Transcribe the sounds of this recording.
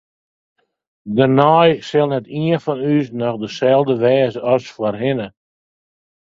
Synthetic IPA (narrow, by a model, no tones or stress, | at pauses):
dənɔjsɪlˠnɛtiənfɔnys̬nɔxdəsɛlˠdəʋɛːsəɔsfwərɦɪnə